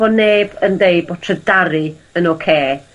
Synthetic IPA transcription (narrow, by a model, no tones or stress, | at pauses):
ɔneːb̥əndejbɔtʰrədaɾɨənokʰeː